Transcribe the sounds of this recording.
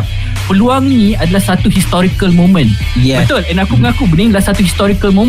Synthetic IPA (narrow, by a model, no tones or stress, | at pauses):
pəluaŋnĩadalahsat̪uhist̪ɔɾikəlmõmə̃n | ɛbət̪olɛ̃nakuməŋakubənĩŋadalahsat̪uhist̪ɔɾikəlmõm